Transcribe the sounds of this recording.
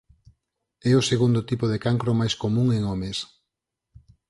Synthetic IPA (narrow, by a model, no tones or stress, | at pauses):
ɛʊseɣund̪ʊt̪ipʊðekaŋkɾomajskomũŋeŋɔmes